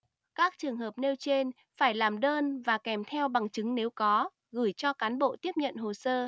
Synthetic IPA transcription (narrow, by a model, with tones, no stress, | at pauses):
kaː˦˥k̚t͡ɕɨ˨˩əŋɦəː˨˩p̚ne˧wt͡ɕe˧n | faː˧˩jlaː˨˩mɗəː˧nvaː˨˩kɛ˧˩mt̪ʰɛ˧wɓa˨˩ŋt͡ɕɨ˨˦ŋne˨˦wkɔ˨˦ | ɣɨ˧˩jt͡ɕɔ˧kaː˨˦nɓo̰˧˨t̪i˦˥əp̚ɲə̰˧˨nɦo˨˩səː˧